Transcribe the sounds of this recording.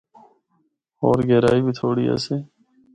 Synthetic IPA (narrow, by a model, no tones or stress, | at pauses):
ɔːɾɡɛːɾaːiːbʱit̪ʰoːɽiːɛ̰ːseː